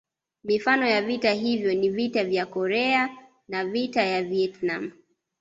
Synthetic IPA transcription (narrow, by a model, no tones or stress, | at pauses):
mifanɔjavitaɦivjɔnivitavjakɔɾɛa | navitajaviɛtnam̩